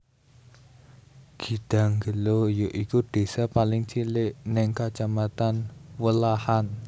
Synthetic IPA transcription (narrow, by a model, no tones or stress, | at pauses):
ɡ̥i̤d̪̥ä̤ŋɡəlojoʔikuɖ̪̥e̤sapalɪŋt͡ʃilɪʔnɪŋkat͡ʃamat̪anwəlahan